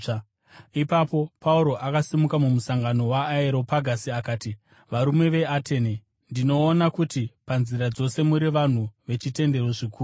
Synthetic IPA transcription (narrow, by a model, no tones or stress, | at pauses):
ipapo̞pauɾo̞ʔakasimukamumusaŋɡano̞waːeɾo̞paɡʱasiakaːti | ʋaɾumwe̞ʋe̞atʰe̞ne | ndino̞ːnakutipanziɾad͡zo̞se̞muɾiʋan̤uʋe̞t͡ʃite̞nde̞ɾo̞ʐikuːu